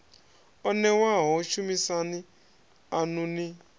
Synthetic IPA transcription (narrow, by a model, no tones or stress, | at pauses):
onewaɦɔt͡ʃumisanɪ | anʊnɪ